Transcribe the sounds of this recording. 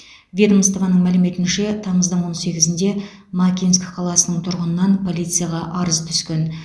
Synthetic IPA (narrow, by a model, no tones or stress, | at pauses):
vʲe̞d̪əmst̪vɑnəɴmælɪme̞t̪ɪnʃe̞t̪ʰɑməzd̪əɴwo̞nse̞ɡʲɪzɪnd̪e̞ | mɑkʲinskʲqʰɑlˠɑsənəɴt̪ʰʊɾʁənənɑnpʰo̞lʲijt̪sɨjaʁɑʔɑɾəzt̪ʰʏ̥skʲe̞n